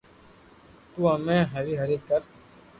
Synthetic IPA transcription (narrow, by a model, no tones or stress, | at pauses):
t̪uamɛ̃ːɦəɾiːɦɐɾikəɾ